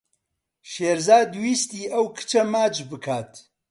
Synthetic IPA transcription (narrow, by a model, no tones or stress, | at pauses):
ʃeːɾzaːd̪uwiːst̪iːʔɐwkʰɨ̥t͡ʃʰɐmaːt͡ʃbɨkʰaːt̪